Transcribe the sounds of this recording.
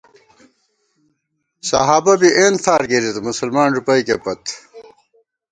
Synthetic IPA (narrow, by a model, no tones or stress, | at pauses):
sɐ̰ɦaːbɐbiʔeːntʰaːɾkeɾit̪musɐlmaːnɾupɐjkepɐt̪